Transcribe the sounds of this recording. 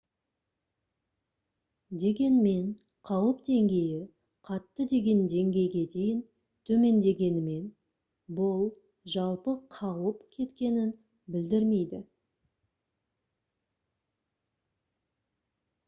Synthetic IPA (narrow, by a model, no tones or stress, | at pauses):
d̪e̞ɡʲe̞nme̞ɴ | qʰɑwəpd̪e̞ŋɡʲe̞jɪ | qʰɑt̪ːəd̪e̞ɡʲe̞nd̪e̞ŋɡʲe̞jɡʲe̞d̪e̞jɪn | t̪ʰɵme̞nd̪e̞ɡʲe̞nɪme̞n | bʊlˠ | ʒɑlˠpəqʰɑwəpkʲʰe̞t̪kʲe̞nɪn | bɪld̪ɪɾme̞jd̪ɪ